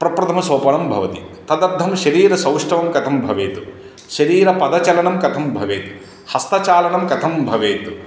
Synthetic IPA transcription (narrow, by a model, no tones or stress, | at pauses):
pɾɐpɾɐt̪ʰɐmɐsoːpɐɳɐmbʱɐ̰ʋɐt̪it̪ɐd̪ɐɾd̪ʱɐmʃɐɾiːɾɐsɐwʂʈɐʋɐmkɐt̪ʰɐmbʱɐʋeːt̪u | ʃɐɾiːɾɐpɐd̪ɐt͡ʃɐlɐɳɐmkɐt̪ʰɐmbʱɐʋeːt̪u̥ | hɐst̪ɐt͡ʃaːlɐɳɐmkɐt̪ʰɐmbʱɐʋeːt̪u